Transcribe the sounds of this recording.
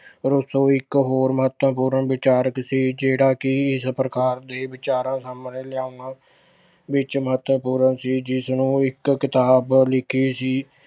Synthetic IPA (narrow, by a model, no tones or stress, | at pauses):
ɾʊsõːɪkɦoːɾməɦət̪əpuːɾəɳʋɪt͡ʃaːɾəksiːd͡ʒeːɽaːkɪɪspɾəkaːɾd̪eːʋɪt͡ʃaːɾãːsamnẽːlɪjaːʊnãː | ʋɪt͡ʃməɦət̪ʋəpuːɾənsiːd͡ʒɪsnũːɪkːɪt̪aːblɪkʰiːsiː